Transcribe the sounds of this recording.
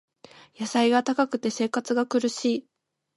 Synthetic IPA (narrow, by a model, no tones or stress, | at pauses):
jasaiɡat̪akakɯ̟t̪e̞se̞ːkat͡sɨɡakɯ̟ɾɯ̟ɕiː